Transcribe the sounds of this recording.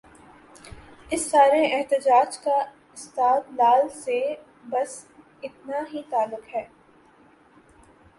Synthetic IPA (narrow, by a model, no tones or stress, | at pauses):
ɪsːaːɾeʔɛɦt̪ɪd͡ʒaːd͡ʒka | ɪst̪aːt̪laːlse | bɐs | ɪt̪̚naɦit̪aːlːʊkɦɛː